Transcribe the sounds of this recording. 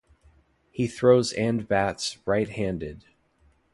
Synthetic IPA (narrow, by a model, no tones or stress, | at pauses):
hiθɹoʊzæ̃nbætsɹaɪt̚hæ̃ndɪd̥̚